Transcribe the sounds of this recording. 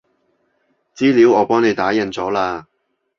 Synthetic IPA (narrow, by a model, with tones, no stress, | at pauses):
t͡siː˥liː˨˥wɔː˨˧pɔː˥ŋne˨˧jt̪aː˨˥jɐ˨˧nt͡sɔː˨˥laː˧